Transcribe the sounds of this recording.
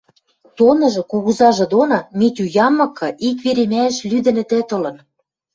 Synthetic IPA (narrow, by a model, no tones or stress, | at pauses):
t̪onɤ̆ʒɤ̆kuɣuzɑʒɤ̆d̪onɑmit̪ʲujɑmːɤ̆kʰːɤ̆ʔikβeɾemæɘ̆ʃlyd̪ɘ̆nɘ̆t̪ĕt̪ɤ̆lɤ̆n